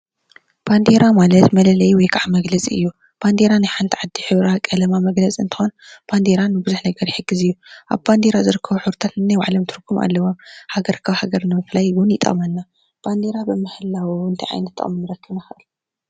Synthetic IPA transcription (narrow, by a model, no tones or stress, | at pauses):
b̥and̪eɾamalɐt̪mɐlɐlɐjwɔjkʰaʕamɐɡlɐt͡sʼḭɨ̰jːu | b̥and̪eɾanajħant̪ʰiʕad̪ːiħɨβɾakʼɐlɐmamɐɡlɐt͡sʼiɨ̰nt̪ʰɨ̥xonb̥and̪eɾanːɨbɨzuħnɐɡɐɾjɪħɨɡːɨzɨjːuʔa̰βband̪eɾazɨɾɨkʰːɐβuħuɾt̪ʰat̪nɨnajwa̰ʕlomt̪ʰɨɾkʰːumʔa̰lːɐwo̞mhaɡɐɾkʰaβhaɡɐɾnɨmɨflajwʊnjɪt̪ʼɐ̰mɐnːa | b̥and̪eɾabɨmɨhɨlːawiɨnt̪ʰiʕa̰jnɐt̪ʰːɨ̰ʔʼmɨnːɨɾɐkːɨβnaxɨʔɨl